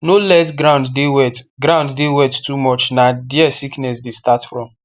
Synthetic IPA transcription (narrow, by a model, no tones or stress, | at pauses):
nolɛtɡɾãʊ̃nddewɛtɡɾãʊ̃nddewɛttumɔt͡ʃnadiɛsiknɛsdestatfɹɔ̃m